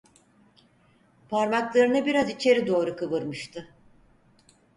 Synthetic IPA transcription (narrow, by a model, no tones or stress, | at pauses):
pʰaɾmaklˠaɾɯnɯbiɾazit͡ʃʰe̞ɾid̪o̞ːɾukʰɯβɯɾmɯʃt̪ʰɯ